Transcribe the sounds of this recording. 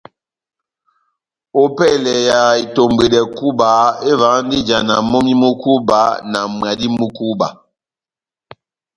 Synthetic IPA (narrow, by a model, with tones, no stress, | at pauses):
o˦pɛ˦˨lɛ˨ja˨i˨to˨mbe˨dɛ˨ku˦ba˨˦e˦va˨˦n˦di˦d͡ʒa˨na˨mo˦mi˦mu˦ku˦ba˦na˨m˨a˨di˦mu˦ku˦ba̰˨